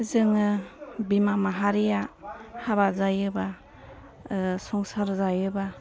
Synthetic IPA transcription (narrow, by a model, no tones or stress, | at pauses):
zɯŋɯbimamaɦaɾijahaβazajɯba | sɔŋsaɾzajɯba